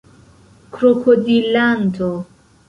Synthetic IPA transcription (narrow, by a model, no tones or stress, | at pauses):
kɾɔkʰodilant̪ʰɔ